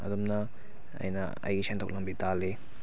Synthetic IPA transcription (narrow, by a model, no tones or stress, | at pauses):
ɐ̰dumnɐ | ɐ̰jnɐ̰ | ɐ̰jɡisʰentʰok̚lɐmbitale